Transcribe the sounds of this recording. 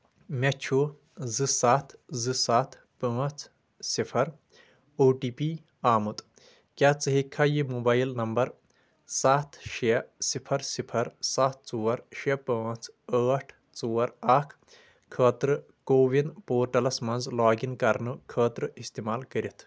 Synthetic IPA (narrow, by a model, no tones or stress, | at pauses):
mʲɐt͡ʃʰu | zɨsaːt̪ʰzɨsaːt̪ʰ | pəːt͡sʰ | sipʰɐɾ | oːʈiːpi | aːmut̪ | kʲaːt͡sɨɦikʰaːjimuːbaːjlnɐmbɐɾ | saːt̪ʰʃiɐsipʰɐɾsipʰɐɾsaːt̪̚ʰt͡suːɐɾʃɐpəːt͡sʰəːʈʰ | t͡suːɐɾakʰ | kʰəːt̪ɾɨ | koːʋinpoːɾʈɐlɐsmɐnzlaːɡinkɐɾnɨkʰəːt̪ɾɨist̪imaːlkəɾit̪ʰ